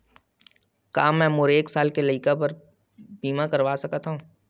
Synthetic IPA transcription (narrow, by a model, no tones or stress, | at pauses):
kaːmɛ̃ːmʊɾeːksaːlkelɐɪkapəɾ | biːmãkɐɾʋaːsɐkat̪ɦũː